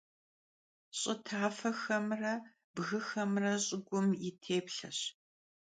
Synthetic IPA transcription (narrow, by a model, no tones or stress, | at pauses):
ɕʼɪtʰaːfɐxɐmrɐ | bɣɨxɐmrɐɕʼɪɡʷʊmɪtʰeːpɬɐɕ